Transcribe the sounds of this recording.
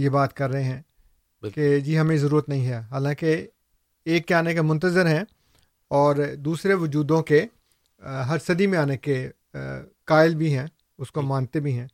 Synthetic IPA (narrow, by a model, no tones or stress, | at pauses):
jebaːt̪kɐɾːɐɦeɦɛ̃ː | ked͡ʒiːɦɐmẽzɐɾuːɾət̪nɐɦĩɦɛaɦaːlãːke | eːkːeaːnekemʊ̃nt̪əzəɾɦɛ̃ | ɔːɾd̪uːsɾeʋʊd͡ʒuːd̪õke | ɦɐɾsɐd̪imẽaːneke | kaːɪlbʱiɦɛ̃ː | ʊskomãːnt̪ebʱiɦɛ̃ː